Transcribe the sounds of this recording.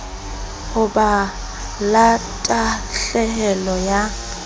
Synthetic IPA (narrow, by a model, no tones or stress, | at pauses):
ʊba | latʼaɬɛhɛlɔja